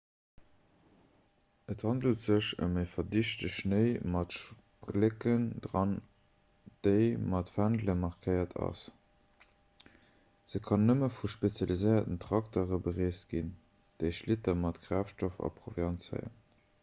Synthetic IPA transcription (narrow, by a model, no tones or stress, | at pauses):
əthɑndəltz̥əɕə̰meɪfɐdiʃtəʃnəɪmɑtʃ | blekənd̥ʁɑn | d̥eɪmɑtfændləmɑʁkʰəɪɐtʰɑ̰s | z̥əkʰɑnːəməfuʃpet͡sjɑlizəɪɐtəntʁ̥ɑktoʁəbəʁeːst̚ɡ̥in | d̥eɪʃlitɐmɑtɡʁaːfʃtofɑ̰pʁovjɑnsə̰ɪə̰n